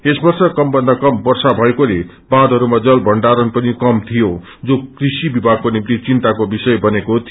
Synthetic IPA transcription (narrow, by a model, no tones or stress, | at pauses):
esbʌrsʌkʌmbʌnd̪akʌmbʌrsabʱʌekole | bãd̪ʱɦʌɾumad͡zʌlbʱʌɳɖaɾʌnpʌnikʌmt̪ʰijo | d͡zokrisibibʱaɡ̚konimt̪it͡sint̪akobisʌjbʌnekot̪ʰ